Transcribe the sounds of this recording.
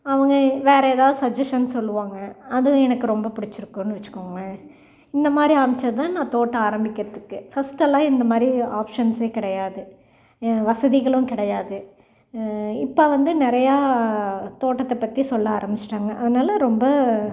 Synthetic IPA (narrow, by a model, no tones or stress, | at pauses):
ɐʋɐŋɡɐʋeːɾɐɛːðaːðɯsɐd͡ʒɛsʈɐnsɔlːɯʋaːŋɡɐɐðɯ̃ɛnɐkːɯɾɔmbɐpʊɽɪt͡ʃːɪɾɯkːõnːɯʋɐt͡ʃːɯ̥kːoːŋɡɐ | ɪnd̪ɐmaːd̪ɾiaːmɪt͡ʃːɐðt̪ãːnãːt̪oːʈːɐaːɾɐmbɪkʲːɪɾɐðɯkːɯfɐsʈɐlːãːɪnd̪ɐmaːd̪ɾiaːpʂɐnseːkɪɽɐjaːðɯ | ʋɐsɐðiɣɐɭʊ̃kɪɽɐjaːðɯ | ɪpːɐʋɐnd̪ɯnɪɾɐjaː | t̪oːʈːɐt̪ːɐpːɐt̪ːisɔlːɐaːɾɐmbɪt͡ʃːɪ̥ʈːaːŋɡɐʔɐðɐnaːlɐɾɔmbɐ